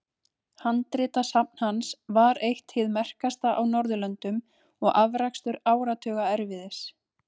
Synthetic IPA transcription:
hant̪ɾɪt̪asap̚n̥hansvaɾejht̪hɪðmɛr̥kast̪aʔawnɔɾðʏlœnt̪ʏm | ɔɣʔavɾakst̪ʏɾaːwɾat̪ʰœːɣaɛɾvɪðɪs

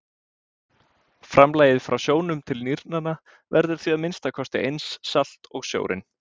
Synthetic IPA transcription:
fɾamlaːjɪðfɾʔawsjoːwnʏmt̪ʰɪlniɾnana | vɛɾðʏɾ̥θviaðmɪnst̪akʰɔst̪ɪ̰ʔejnsːal̥t̪ɔɣsjo̰ːwɾɪ̰n

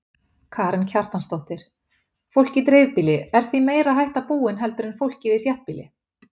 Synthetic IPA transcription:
kʰaːɾɪncʰaɾ̥t̪anst̪owht̪ɪɾ̥ | fowl̥cɪt̪ɾejðpɪːlɪɛɾ̥θvimeːjɾaɦajht̪apuːɪnɦɛlt̪ʏɾɪnfowl̥cɪðɪθjaht̪̚pilɪ̰

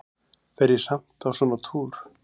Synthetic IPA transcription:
vɛɾjɛsam̥t̪awsɔːnat̪ʰuːɾ̥

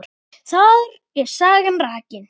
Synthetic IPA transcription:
ɾ | θað | ɛɾ̥saːɣamraːcɪn

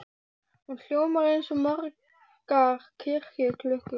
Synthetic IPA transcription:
unɬjoːwmaɾejnsɔmar | kaɾkʰɪr̥kɪkʰlʏhk̪

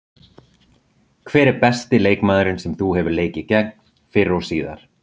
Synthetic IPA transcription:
kʰvɛːɾɛɾpɛst̪ɪleːjkmaːðʏɾɪnsɛmθuhɛvʏɾleːjcɪcɛk̚n | fɪɾːawsiːða̰ɾ̥

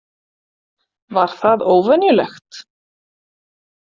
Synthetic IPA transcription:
vaɾ̥θaðoːwvɛnjʏlɛxt̪

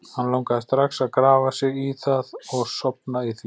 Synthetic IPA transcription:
hanlawŋkaðɪst̪ɾaxsaðkɾaːvasɪɣiθaðɔɣsɔpnaiθ

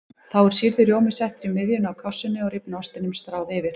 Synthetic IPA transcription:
θawɛɾ̥siɾðʏɾjowmɪsɛht̪ɾimɪðjʏnawkʰasːʏnːɪɔɣɾɪpnɔst̪ɪnʏmst̪ɾaːwðɪvɪɾ̥

